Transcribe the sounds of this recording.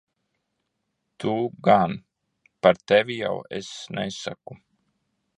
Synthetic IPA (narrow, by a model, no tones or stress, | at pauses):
t̪ʰuɡan | paɾt̪ɛvija̰wḛsnɛsa̰ku